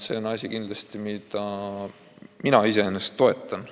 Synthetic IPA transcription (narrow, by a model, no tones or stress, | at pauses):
se̞o̞nɑsʲikind̪lɑst̪imid̪̥ɑ | minɑise̞enːest̪ːo̞e̞t̪ːˑɑn